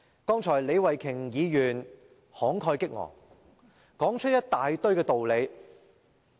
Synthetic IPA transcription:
kɔː˥ŋt͡ʃʰɔː˨˩jle˨˧jwɐ˨jkʰɪ˨˩ŋjiː˨˧jyː˨˩n | hɔː˨˥ŋkʰɔː˧jkɪ˥k̚ŋɔ̰ː˨˩ŋ | kɔː˨˥ŋt͡ʃʰɵ˥jɐ˥t̚t̪aː˨jt̪ɵ˥ɥkɛː˧t̪o˨wle˨˧j

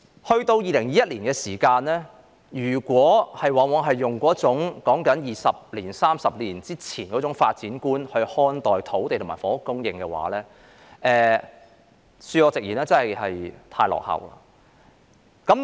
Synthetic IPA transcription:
hɵ˧ɥt̪o˧wjiː˨˧lɪ˨˩ŋjiː˨˦jɐ˥t̚liː˨˩nkɛː˧siː˨˩kaː˧nlɛː˥ | jyː˨˩kʷwɔː˨˥hɐ˨jwaː˨wɔː˨˧ɦɐ˨jːʊ˨ŋkɔː˨˥t͡sʊ˨˥ŋkɔː˨˥ŋkɐ˨˥njiː˨˩sɐ˨p̚liː˨˩nsaː˥msɐ˨p̚liː˨˩nt͡siː˥t͡sʰiː˨˩nkɔ˨˥t͡sʊ˨˥ŋfa̰ː˧t̚t͡siː˨˥nkuː˥nhɵ˧ɥhɔː˧˥nt̪ɔː˨˩jt̪ʰo˨˥wt̪e˨jt̪ʊ˨˩maː˨˩fɔː˨˥ʊ˧˥kːʊ˥ŋjɪ˧ŋkɛ˧wa̰ː˨˥lɛː˥ | ʔɛː˧ | syː˧ɔː˨˧t͡sɪ˨k̚jiː˨˩naː˥t͡sɐ˥nhɐ˨jhɐ˨jt̪ʰaː˧jlɔ̰˨˩k̚hɐ̰˨˩wla̰ː˧ | kɐ˨˥m

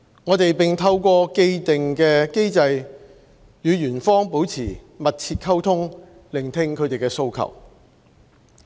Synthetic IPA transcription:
ŋɔː˨˧t̪e˨jpɪ˨ŋt̪ʰɐ˧wkʷɔː˧ke˧jt̪ɪ˨ŋkɛː˧ke˥jt͡sɐ˧j | jyː˨˧ɥyː˨˩nfɔː˥ŋpo˨˥wt͡sʰiː˨˩ | mɐ˨t̚t͡sʰiː˧t̚kʰɐ˥wt̪ʰʊ˥ŋ | lɪ˨˩ŋt̪ʰɪ˧ŋkʰɵ˨˧ɥt̪e˨jkɛː˧so˧wkʰɐ̰˨˩w

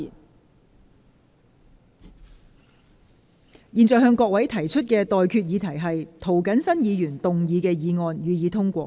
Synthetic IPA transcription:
n | jiː˨nt͡sɔː˨˩ɦœː˧ŋkɔː˧k̚wɐ˨˥jt̪ʰɐ˨˩jt͡ʃʰɵ˥t̚kɛː˧t̪ɔː˨jkʰyː˧t̚jiː˨˧t̪ʰɐ˨˩jɦɐ˨jt̪ʰo˨˩wkɐ˨˥nsɐ˥njiː˨˧jyː˨˩nt̪ʊ˨ŋjiː˨˧kɛː˧jiː˨˧ŋɔː˧njyː˨jiː˨˧t̪ʰʊ˥ŋkʷɔ̰ː˧˥

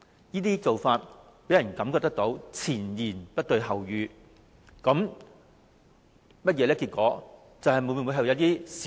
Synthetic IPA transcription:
jiː˥t̪iː˥t͡so˨wfaː˧t̚ | pe˨˥jɐ˨˩nkɐ˨˥mkɔ˧t̪ɐ˥k̚t̪o˨˥wt͡sʰiː˨˩njiː˨˩npɐ˥t̚t̪ɵ˨ɥɦɐ˨˩wjyː˨˧ | kɐ˨˥m | mɐ˥t̚jɛː˨˧˥lɛː˥ki˧t̚kʷɔː˨˥ | t͡sɐ˨whɐ˨jmu˨˧˥mː˧˨˩mu˧jɦɐ˨wjɐ˨˧˥t̪iː˥s

